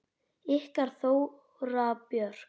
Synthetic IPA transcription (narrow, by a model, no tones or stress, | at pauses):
ɪhkaɾ̥θow | ɾapjœɾ̥